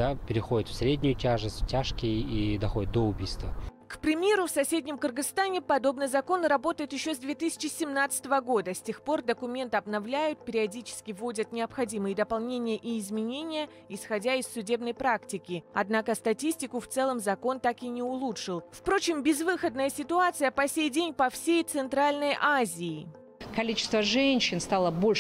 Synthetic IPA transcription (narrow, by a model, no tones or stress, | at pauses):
d̪apʲɪɾʲɪxodʲɪt̪fsɾʲedʲnʲɪjʊtʲaʐɨsʲtʲaʂkʲɪid̪ɐxodʲɪt̪d̪oʊbʲijst̪və | kpɾʲɪmʲe̞ɾʊfsɐsʲedʲnʲɪmkərɡɨst̪anʲɪpɐd̪o̞bnɨjzɐko̞nrɐbo̞t̪əjɪt̪jɪɕːozd̪vʲe̞t̪ɨsʲɪ̥t͡ɕɪsʲɪmnat̪sɨ̥t̪əvəɡo̞d̪əsʲtʲe̞xpo̞rd̪əkʊmʲe̞nt̪ɐbnɐvlʲæjʊt̪̚pʲɪɾʲɪɐdʲit͡ɕɪ̥skʲɪvo̞dʲət̪nʲɪɐpxɐdʲimɨjəd̪əpɐlˠnʲenʲɪjəʔiːzmʲɪnʲenʲɪjə | ɪsxɐdʲaɪsːʊdʲebnəjpɾaktʲɪkʲɪɐd̪nakəst̪ɐtʲisʲtʲɪkʊft̪sɛlˠəmzɐko̞nt̪akɪnʲɪʊlˠutʂɨlˠfpɾo̞t͡ɕɪmbʲɪzvɨxəd̪nəjəsʲɪt̪ʊat̪sɨjəpɐsʲejdʲenʲpɐfsʲejt̪sɨnt̪ɾalʲnəjʔazʲɪː | kɐlʲit͡ɕɪst̪vəʐɛnʲɕːɪnst̪alˠəbolʲ